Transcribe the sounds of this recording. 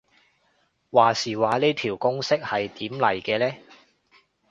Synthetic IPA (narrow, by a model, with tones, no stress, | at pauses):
waː˨siː˨˩waː˨leː˥jt̪ʰiː˨˩wkʊ˥ŋsɪ˥k̚hɐ˨jt̪iː˨˥mlɐ̰˨˩jkɛː˧lɛː˥